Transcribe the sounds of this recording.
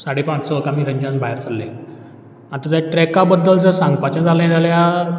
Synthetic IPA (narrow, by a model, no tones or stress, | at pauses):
saɽ̤ipãt͡ssɔəkamiːɾə̃ɲd͡ʑãnbʱajɾt͡sʰalːẽ | ant̪ət̪jaʈɾɛkabəd̪ːəld͡zəɾsãŋɡpat͡ɕə̃d͡zʱaləjd͡zalja